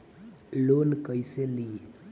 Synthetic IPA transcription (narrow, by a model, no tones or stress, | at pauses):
lonkəjseli